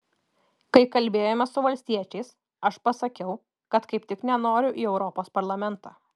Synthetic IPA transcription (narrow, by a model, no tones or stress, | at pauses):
kɐɪkɐlʲbʲeːjoːmʲɛsʊʋɐlʲsʲt̪ʲiɛt͡ʃʲɛɪs | ɐʃpɐsɐkʲɛʊ | kɐt̪kɐɪpt̪ʲɪknʲɛnoːɾʲʊʔiːɛʊɾɔpoːspɐɾlˠɐmʲɛnt̪ɑː